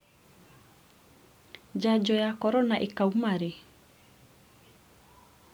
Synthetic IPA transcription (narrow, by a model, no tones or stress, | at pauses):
d͡ʒad͡ʒɔjakɔɾɔnaʔekaumaɾe